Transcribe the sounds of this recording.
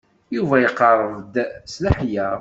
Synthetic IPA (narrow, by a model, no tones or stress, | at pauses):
juvæjəqːɑrˤəðˤd̪slaħjæˤ